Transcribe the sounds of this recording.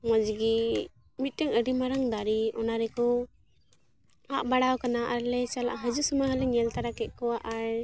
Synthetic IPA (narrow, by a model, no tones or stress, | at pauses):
mɔd͡ʒɡi | mit̪̚ˀt̪ɛŋəɖimaɾaŋd̪aɾiɔnaɾɛkɔ | aʔbaɽawkanaʔaɾlɛt͡ʃala̰ʔɦəd͡ʒusumaɦəlɛɲɛlt̪aɾakɛt̪̚kɔwaʔaɾ